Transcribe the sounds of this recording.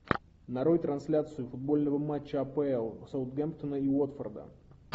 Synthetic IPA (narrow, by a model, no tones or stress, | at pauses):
nɐɾojt̪ɾɐnsʲlʲat̪sɨʊfʊd̪̚bo̞lʲnəvəmat͡ɕːəɐpɛɛlˠsaʊt̪ɡʲɛmpt̪ənəiot̪fərd̪ə̰